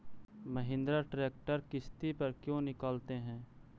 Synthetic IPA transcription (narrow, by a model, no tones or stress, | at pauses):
məɦɪ̃nd̪ɾaʈɾeːk̚ʈəɾkɪst̪ipɐɾkjõːnɪkaːlt̪eɦɛ̃ː